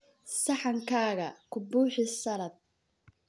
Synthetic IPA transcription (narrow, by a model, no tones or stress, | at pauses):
sɑħɑŋkʰaːɣɐkʰʊbuːħɪsɐɾɐd̪̚